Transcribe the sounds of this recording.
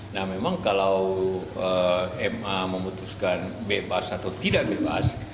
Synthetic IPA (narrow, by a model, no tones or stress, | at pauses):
nahmemaŋkalawəɛmaməmut̪uskanbebasat̪awt̪idaʔbeba̰s